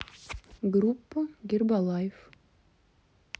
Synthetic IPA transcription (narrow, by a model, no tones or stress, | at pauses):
ɡrupːəɡʲerbɑlˠɑjef